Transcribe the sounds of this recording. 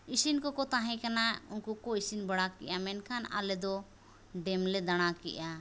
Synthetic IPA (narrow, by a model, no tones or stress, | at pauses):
isinkɔkɔt̪ãɦɛ̃kanaunkukɔisinbaɽakɛ̰ʔamɛnkʰana̰lɛd̪ɔ | ɖɛmlɛd̪aɽ̃akɛ̰ʔa